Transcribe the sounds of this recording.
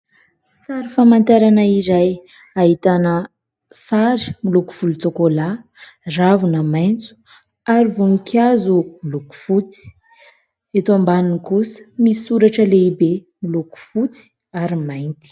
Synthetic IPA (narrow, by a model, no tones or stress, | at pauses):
saɾifamant̪aɾanaizaj | aɦit̪anə | saɾi̥miluku̥v̥ulut͡sokola | ravunəmajnt͡su̥ | aɾivunukʰjazumiluku̥fut͡si̥ | et̪oambaninikusə̥misuɾaʈ͡ʂəleibe | miluku̥fut͡si̥ | aɾimajnt̪i̥